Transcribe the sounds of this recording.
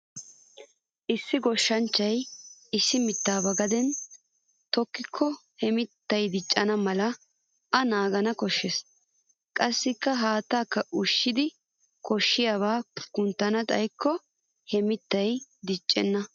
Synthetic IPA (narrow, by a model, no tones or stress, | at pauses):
ʔɪsːɪɡɔʃːɐnt͡ʃːɐjɪsːɪmɪt̪ːaːbɐɡɐd̪ɛn | t̪ɔkːɪkʰːɔhɛmɪt̪ːɐjd̪ɪt͡ʃʼːɐnɐmɐlɐ | ʔɐnaːɡɐnɐkɔʃːɛs | kʼɐsːɪkːɐɦaːt̪ːaːkːɐʔʊʃːɪd̪ɪ | kɔʃːɪjaːβaːkʊnt̪ːɐnɐt̪ʼɐ̰jkʰːɔ | hɛmɪt̪ːɐjd̪ɪt͡ʃʼːɛnːɐ